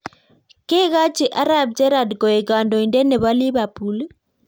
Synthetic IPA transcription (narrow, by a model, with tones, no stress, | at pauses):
ke˦ɣa˦t͡ʃɪ˨ʔa˦ɾa˨b̚d͡ʒɛ˦ɾa˨dko˨e˨ka˨ndo˨inde˦ne˨βa˦li˦βa˨pu˨l